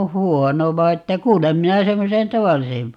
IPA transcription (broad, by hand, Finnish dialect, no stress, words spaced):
õː huono ʋɑi etːæ kuːlem minæ semːosen tɑʋɑlːisem